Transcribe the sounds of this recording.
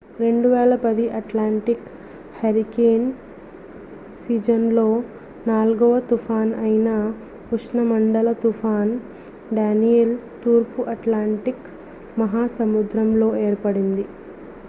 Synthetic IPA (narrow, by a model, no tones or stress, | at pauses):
ɾe̞ɳɖuʋɛːlɐpɐd̪iʔɐʈlaːɳʈik | hɐɾikeːn | siːd͡ʒɐnlo̞ː | naːlɡɐʋɐt̪upʰaːnɐjnɐ | kuʂnɐmɐɳɖɐlɐt̪ufʰaːn | ɖaːnijelt̪uːɾpuʔɐʈlaːɳʈik | mɐɦaːsɐmud̪ɾɐmlo̞ːe̞ːɾpɐɽind̪i